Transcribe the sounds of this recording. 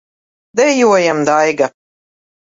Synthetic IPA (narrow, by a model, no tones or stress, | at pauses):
d̪ɛjuɔjamd̪ajɡa